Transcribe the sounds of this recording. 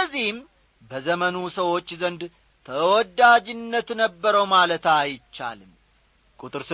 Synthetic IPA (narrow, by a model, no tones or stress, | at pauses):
kəzːihɪm | bəzəmənusəwo̞t͡ʃːzənd̪ | t̪ʰəwɔd̪ad͡ʒɪnːət̪nəbːəɾəwmalət̪ajt͡ʃːa̰lɨm | kʼut̪ʼɨɾsɨ